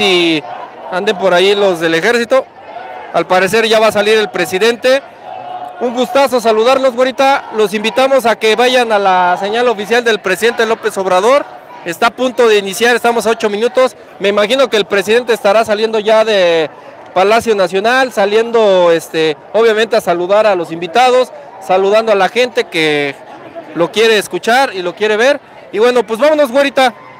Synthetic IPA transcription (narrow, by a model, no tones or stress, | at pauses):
i | and̪e̞mpo̞ɾailo̞zðe̞le̞xe̞ɾsit̪o̞ | alpaɾe̞s̬e̞ɾʝaβasaliɾe̞lpɾe̞siðe̞nt̪e̞ | uŋɡust̪aso̞s̬aluðaɾlo̞zwaɾit̪alo̞simbit̪amo̞s̬ake̞βaʝanalase̞ɲalo̞fisjald̪e̞lpɾe̞siðe̞nt̪elo̞pe̞so̞βɾað̞o̞ɾ | e̞st̪aːpunt̪o̞ðe̞inisjaɾest̪amo̞sao̞t͡ʃo̞mĩnut̪o̞s | me̞imaxino̞ke̞ːlpɾe̞s̬iðe̞nt̪eːst̪aɾas̬alje̞nd̪o̞ʝaðe̞ | palasjo̞nasjo̞nalsalje̞nd̪o̞est̪e | oβ̞jament̪easaluðaɾalo̞simbit̪að̞o̞sː | aluð̞and̪oalaxe̞nt̪e̞ke | lo̞kje̞ɾe̞ːskut͡ʃaɾilo̞kje̞ɾe̞βe̞ɾ | iβwe̞no̞pwe̞zβamono̞zɡwaɾit̪a